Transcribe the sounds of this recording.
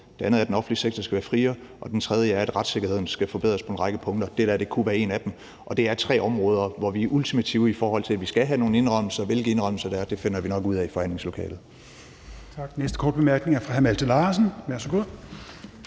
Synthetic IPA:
d̥e̝ænəð̩ˠæɐdenɒ̽fn̩liseɡ̥̚t͡sʰɐsɡ̥æʋæːɐfʁiːɐ | ʔɒ̽d̥ent͡sʰʁɛð̞ˠjəæɐæd̥ʁäd̥se̝ɡ̥ɐhe̝ð̞̰ˠn̩sɡ̥æfɒ̽b̥eð̞̰ˠɐspʰɒ̽e̝nʁɑ̈ɡ̥əpʰɔ̽ŋd̥ɐd̥ed̥æɐd̥e̝kʰuʋæːɐe̝næd̥em | ʔɒ̽d̥e̝æɐt͡sʰʁɛ̰ːɒ̽mʁɔ̽ːð̞ˠɐʋɒʋiʔult͡sʰimæt͡sʰiːʊəifɒːhɒ̽l̰t͡sʰe̝æʋisɡ̥æɦæno̝ːn̩e̝nʁɶm̰l̩sɐʋe̝lɡ̥əe̝nʁœml̩sɐd̥ɑæɐd̥e̝fe̝n̰ɐʋinɒ̽ɡ̥uð̰ˠɛifɒ̽hæn̰le̝ŋslo̝kʰɛ̰ːlð̩ˠ | t͡sʰɑɡ̥nesd̥əkʰɒːd̥̚b̥emæɐɡ̥ne̝ŋæɐfʁɑ̈ɦæmælt͡sʰəlɑːsn̩ʋæɐsəɡ̥uð̰ˠ

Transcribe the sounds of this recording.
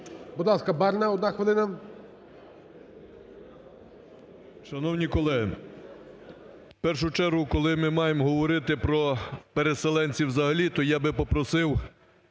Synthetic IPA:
bʊd̪lˠɑskɐbɑɾnɐɔd̪naxʋelˠɪnɐ | ʃɐnɔwnʲikɔlˠɛɦɪ | pɛrʃ̬ʊt͡ʃɛɾɦʊkɔlˠɪmɪmɑjemɦɔʋɔɾɪt̪ɪpɾɔpeɾeselˠɛnʲt͡sʲiwzɐɦɐlʲit̪ɔjɑbɪpɔpɾɔsɪw

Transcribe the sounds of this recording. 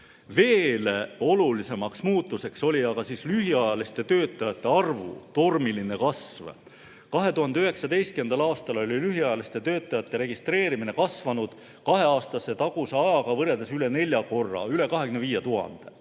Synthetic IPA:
ve̞ːleo̞lulise̞mɑksmuːt̪ːˑuse̞kso̞lʲiɑɡ̥ɑsiːslyɦiɑjɑlist̪e̞t̪ø̞ːt̪ˑːɑjɑt̪ːˑe̞ɑrvṵt̪o̞rmiline̞kɑsv | kɑɦe̞t̪uɦɑnd̪e̞yɦeksɑt̪e̞jst̪kend̪̥ɑlɑːst̪ɑlo̞lʲilyɦiɑjɑlist̪e̞t̪ø̞ːt̪ːˑɑjɑt̪ːˑeɾe̞ɡ̥ist̪re̞ːɾimine̞kɑsvɑnud̪̥ | kɑɦe̞ɑːst̪ɑsːe̞t̪ɑɡ̥useɑjɑɡɑvɤɾe̞ld̪esyle̞ne̞lʲjɑko̞rːɑ̰yle̞kɑɦe̞kyneviːjet̪uɦɑ̰nd̪̥e̞

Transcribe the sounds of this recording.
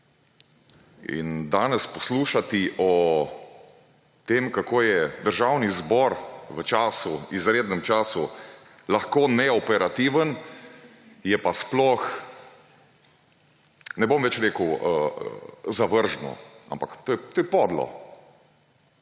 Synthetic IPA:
ḭnd̪aːnɛspɔsluːʃat̪iʔɔ | t̪eːmkakoːjɛd̪əɾʒawnizbɔɾʋət͡ʃaːsuizɾeːd̪nɛmt͡ʃaːsu | laxkoːnɛɔpɛɾat̪iʋən | jɛpasplɔx | nɛbomʋɛt͡ʃɾeːkəwəə̰zaʋəɾʒnɔ̰a̰mpakt̪ojɛt̪oːjɛpɔd̪lɔ̰

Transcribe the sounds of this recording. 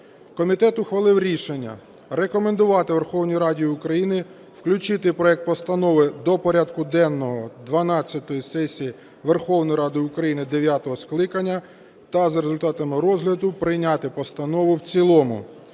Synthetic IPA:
kɔmʲit̪ɛt̪ʊxʋɐlˠɪwɾʲiʃenʲːɐ̰ | ɾekɔmend̪ʊʋɑt̪ɪʋerxɔwnʲijiɾɑdʲijʊkɾɐjinɪ | wklʲʊt͡ʃɪt̪ɪpɾɔɛk̚t̪̚pɔst̪ɐnɔʋɪd̪ɔpɔɾʲad̪kʊd̪ɛnːɔɦɔd̪ʋɐnɑt͡sʲːɐt̪ɔjisɛsʲiji | ʋerxɔwnɔjiɾɑd̪ʊjʊkɾɐjinɪd̪eʋʲjat̪ɔɦɔsklˠɪkɐnʲːɐ | t̪ɐzɾezʊlʲt̪ɑt̪ɐmɪɾɔzɦlʲɐd̪ʊpɾɪjnʲat̪ɪpɔst̪ɐnɔʋʊwt͡sʲilˠɔmʊ̰

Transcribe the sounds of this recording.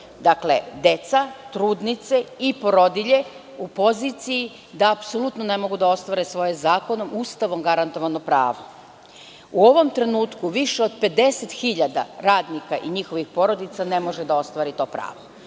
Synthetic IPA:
d̪akle̞d̪e̞t̪sat̪ɾuːd̪nit̪seipo̞ɾo̞d̪iʎe̞ | upo̞zit̪siji | d̪aːpso̞lˠut̪nonemo̞ɡud̪ao̞st̪ʋaɾesʋo̞jezaːko̞no̞mʔust̪aʋo̞mɡaɾant̪o̞ʋano̞pɾa̰ːʋo | uo̞ʋo̞mt̪ɾe̞nuːt̪kuʋiʃeo̞d̪pe̞d̪e̞set̪xiʎad̪a̰ɾaːd̪nikaʔiɲixoʋixpo̞ɾo̞d̪it̪sane̞mo̞ʒed̪ao̞st̪ʋaːɾit̪o̞ːpɾa̰ːʋo

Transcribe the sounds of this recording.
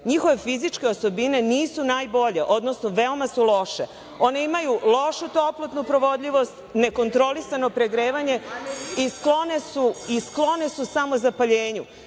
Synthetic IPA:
ɲixoʋe̞fizit͡ʃke̞oso̞bine̞niːsunaːjbo̞ʎe̞ʔo̞d̪no̞snoʋe̞omasulo̞ʃḛ | o̞ne̞imajulo̞ʃut̪o̞plˠot̪nupɾo̞ʋo̞d̪ʎiʋo̞st̪ne̞ko̞nt̪ɾo̞lisano̞pɾeɡɾeːʋaɲe̞isklo̞ne̞suisklo̞ne̞susamo̞zapaʎeːɲu

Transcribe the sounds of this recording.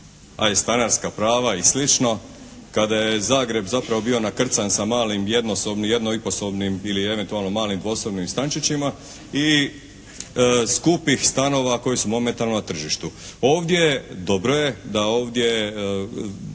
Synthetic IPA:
a̰jest̪anaɾskapɾaːʋaislit͡ʃno̞ | kad̪ajezaːɡɾe̞bzapɾaʋo̞bio̞nakr̩t̪sansamaːlimje̞d̪no̞so̞bnije̞d̪noipo̞so̞bnimilie̞ʋe̞nt̪ualˠno̞maːlimd̪ʋo̞sobnimst̪ant͡ʃit͡ɕima | i | skupixst̪ano̞ːʋako̞jesumo̞me̞nt̪aɾlnonat̪r̩ʒiʃt̪uo̞ːʋd̪je̞d̪o̞bɾo̞je̞d̪ao̞ːʋd̪je̞

